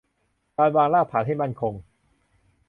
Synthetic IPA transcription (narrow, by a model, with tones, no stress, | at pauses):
kaː˧nwaː˧ŋlaː˥˩pʰaː˩˦t̪̚ɦa˥˩jma˥˩nkʰo˧ŋ